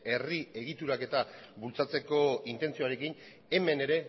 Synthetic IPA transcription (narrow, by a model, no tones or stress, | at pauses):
e̞rie̞ɣ̞it̪uɾake̞t̪aβult͡sat͡se̞ko̞int̪e̞nt͡sio̞aɾe̞kin | e̞me̞ne̞ɾe̞